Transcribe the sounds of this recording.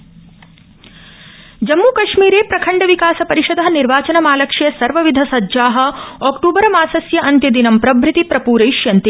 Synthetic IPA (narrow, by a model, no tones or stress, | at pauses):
d͡ʒɐmːuːkɐʂmiːɾeːpɾɐkʰɐɳɖɐʋikaːsɐpɐɾiʃɐd̪ɐɦɐniɾʋaːt͡ʃɐnɐmaːlɐkʂijɐsɐɾʋɐʋid̪ʱɐsɐdʒaːɦɐ̆ɔːkʈuːbɐɾɐmaːsɐsjɐʔɐnt̪jɐd̪inɐmpɾɐbʱɾit̪ipɾɐpuːɾɐjʃjɐnt̪i